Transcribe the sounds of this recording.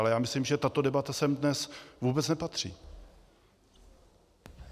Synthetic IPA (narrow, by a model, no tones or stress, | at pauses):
lɛjaːmɪslimʒɛt̪at̪o̞dɛbat̪asɛmdnɛsvuːbɛt͡snɛpat̪r̝̥ḭː